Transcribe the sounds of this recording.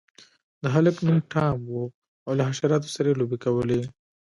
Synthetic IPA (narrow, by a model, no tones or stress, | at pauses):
d̪əɦaləknumʈʰɑmwu | awlaɦaʃaɾɑt̪o̥saɾajelobekawəle